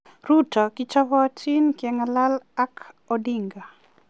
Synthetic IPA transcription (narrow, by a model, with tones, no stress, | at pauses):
ɾu˦tɔ˨kit͡ʃa˦βɔa˦t͡ʃi˦nkɪɛŋala˦la˦kɔdiŋɡa˨